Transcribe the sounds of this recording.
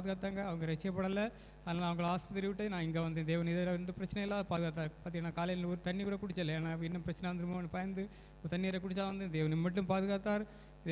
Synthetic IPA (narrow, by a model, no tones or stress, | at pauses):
ðɯɣaːt̪ːaːŋɡɐɐʋɐŋɡɐɾɛt͡ʃːɐjɐpːɐɽɐlːɐ | aːðnaːlɐʋɐŋɡɐɭaːst̪ɐt̪ɛɾɪʋɪʈːenãːɪŋɡeːʋɐnd̪ẽːd̪eːʋɐnɪðɐɾɐʋɐnd̪ɯpɪɾɐt͡ʃːɐnɐjɐlːaːðɯpaːðɯɣaːt̪ːaːɾpaːɾt̪iŋɡɐnːaːkaːlɐjnɔɾɯt̪ɐɳːikuːɽɐkʊɽɪt͡ʃːɐlːɐeːnaːɪpːɪnːɐpɪɾɐt͡ɕːɐnɛɐʋɐnd̪ɯɾɯmaːʋɐnːɯpɐjɐnd̪ɯ | t̪ɐnːɪɐɾɐkʊɽɪt͡ɕːaːʋɐnd̪ẽːd̪eːʋɐnɪmːɐʈ̬ːɯmpaːðɯɣaːt̪ːaːɾ